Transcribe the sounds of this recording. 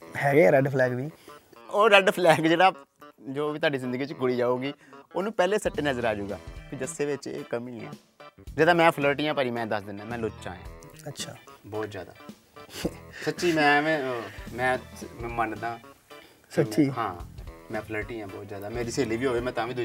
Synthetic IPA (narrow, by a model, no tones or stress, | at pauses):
hɛːɡeːɾəɖpʰlɛːkʋiː | oːɾəɖpʰlɛːkd͡ʒeːɽaːd͡ʒoːʋiːt̪ʊaːɖiːzɪ̃nd̪əɡiːt͡ʃɡʊɽiːd͡ʒaːuːɡiː | oːnũːpɛːleːsəʈːeːnəzəɾaːd͡ʒuːɡa̰ːpʰiːd̪əsːeːʋɪt͡ʃḛːkəmiːniːɛ̰ː | d͡ʒeːd̪ãːmɛ̃ːpʰləːɾʈiːãːpəːɾiːmɛ̃ːd̪əsd̪ɪnãːmɛ̃ːlʊt͡ʃã̰ːjã̰ːətːʃʰaːbɔːt̪zja̰ːd̪a̰ː | sətːʃiːmɛ̃ːʋẽːmɛ̃ːmɛ̃ːmənd̪ãː | sət͡ʃiːɦãːmɛ̃ːpʰləːɾʈiːãːbɔːt̪zjaːd̪aːmeːɾiːseːliːʋiːɦoːʋeːmɛ̃ːt̪ãːʋiːd̪ʊ